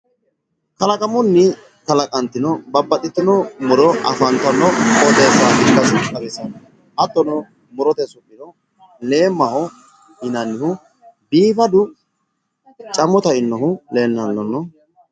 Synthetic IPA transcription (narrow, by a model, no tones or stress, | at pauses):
kɐlɐkʼɐmʊnːɪ | kɐlɐkʼɐnt̪ɪnɔbɐbːɐt̪ʼɪt̪ːɪnɔmʊɾɔʔɐ̰fɐnt̪ɐnːɔɔd̪eːsaːʔɪkːɐsʼɐdɪsɐnɔ | ʔɐt̪ːɔnɔ | mʊɾɔt̪ɛsʊkːɪnɔ | le̞ːmːɐhɔ | ɪnɐnːɪhʊ | biːfɐd̪ʊ | t͡ʃʼɐmɔt̪ɐɪnːɔhʊle̞ːnːɐnːɔnːɔ